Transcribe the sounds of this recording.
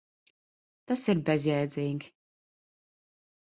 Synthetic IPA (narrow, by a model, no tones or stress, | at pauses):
t̪asiɾbɛzʲjɛːd̪ziŋɡʲ